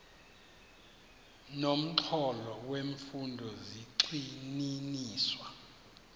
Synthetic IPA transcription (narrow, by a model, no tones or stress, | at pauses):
nom̩ǁʰɔlɔweɱfundʱɔziǀininiːswa